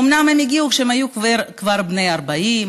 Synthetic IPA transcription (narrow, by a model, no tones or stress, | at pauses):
umnamhemiɡiukʃeemajukvakvaɾbnejaɾbaim